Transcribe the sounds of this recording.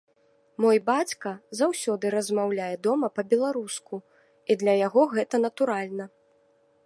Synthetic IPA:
mɔjbat͡sʲkɐzawsʲɔd̪ɨɾɐzmawlʲajɛd̪ɔmɐpɐbʲɛlˠaɾusku | id̪lʲɐjaɣɔɣɛt̪ɐn̪ɐt̪uɾalʲnɐ

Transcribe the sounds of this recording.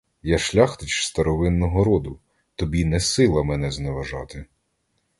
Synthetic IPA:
jaʃlʲaxt̪ɪt͡ʃst̪ɐɾɔʋɪnːɔɦɔɾɔd̪ʊ | t̪ɔbʲinɛsɪlˠɐmɛnɛzneʋɐʒɑt̪ɪ

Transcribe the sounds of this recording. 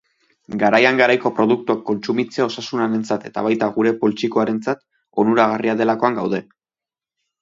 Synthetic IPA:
ɡaɾajaŋɡaɾajko̞pɾo̞ðuk̚t̪uakːo̞nt͡sumit͡seao̞sasunaɾe̞nt͡sat̪e̞t̪a̰βajt̪aɣuɾe̞po̞lt͡ʃiko̞aɾe̞nt͡sat̪ | o̞nuɾaɣ̞ariaðe̞lako̞aŋɡawð̞e̞

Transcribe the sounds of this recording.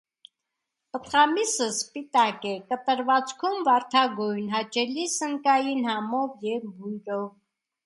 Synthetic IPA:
pət̪χɑmisəspit̪ɑkɛkət̪əɾvɑt͡skʰumvɑɾt̪ʰɑɡɔjnɦɑt͡ʃʰɛlisəŋkɑjinhɑmɔvjɛvbujɾɔv

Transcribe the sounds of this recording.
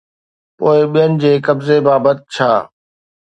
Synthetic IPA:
poːɪɓijənɪ̆d͡ʑeːkɐbzebaːbət̪̚t͡ɕʰa̰ː

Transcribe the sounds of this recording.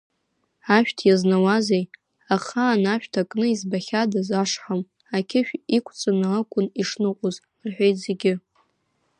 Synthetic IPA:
aʃᶣtʰjaznawazej | aχaːnaʃᶣtʰakʼnɨizbaχʲadazaʂħam | akʲʰɪʃᶣikʷʰt͡sʼɨnalakʷʰʼʊniʂnɨqʷʼʊz | rħʷᶣejtʼzeɡʲɪ

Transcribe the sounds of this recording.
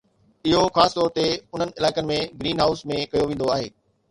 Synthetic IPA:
ɪɦoxaːsɪ̥t̪ɔːɾt̪eʊn̤ənɪ̆ɪlaːɪkənɪ̆mẽɡɾiːnɦaːʊsmẽkɐjoʋẽːn̆d̪oaːɦḛː

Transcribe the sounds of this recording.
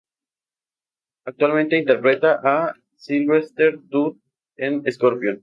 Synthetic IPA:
ak̚t̪walment̪eint̪eɾpɾet̪aʔa | silβest̪eɾt̪ut̪̚ | eneskoɾpjon

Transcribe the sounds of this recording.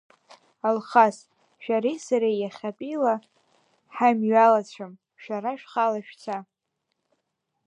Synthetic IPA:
alχas | ʃᶣaɾisaɾejaχʲapʼila | ħamɥalat͡ɕʷʰam | ʃᶣaɾaʃᶣχalaʃᶣt͡sʰa

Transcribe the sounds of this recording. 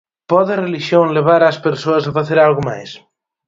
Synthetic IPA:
pɔðereliʃjoŋleβ̞aɾaspeɾsoɐsafaθeɾalɣoma̰js

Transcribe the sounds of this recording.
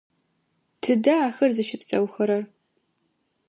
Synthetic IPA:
tʰɨdɐaːxɐrzɨʃɪpsʼɐ̰wxɐɾɐr

